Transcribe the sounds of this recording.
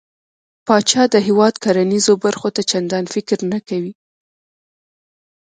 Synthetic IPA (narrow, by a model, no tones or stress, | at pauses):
pɑt͡ʃɑd̪əɦɪwɑd̪kʰaɾanizobaɾxot̪at͡ʃand̪ɑnfɪkɾnakawi